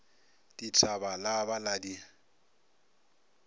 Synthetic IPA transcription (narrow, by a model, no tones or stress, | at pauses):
d̥itʰʼabalabaladi